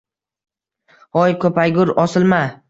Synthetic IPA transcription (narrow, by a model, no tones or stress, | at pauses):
ɒjkʰɵpajɡʲʊɾɒsɪlma